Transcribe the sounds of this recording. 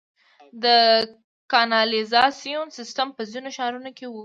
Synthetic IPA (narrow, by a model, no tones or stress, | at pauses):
d̪ə | kɑnɑlizɑsijonsɪsʈampəzinoʃɑɾunokewu